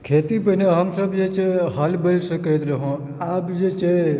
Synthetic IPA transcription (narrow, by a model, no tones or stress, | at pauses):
kʰet̪ipəneɦəmsəbd͡ʒet͡ʃeɦəlbəlsəkəɾət̪ɾəɦõ | aːpd͡ʒet͡ʃe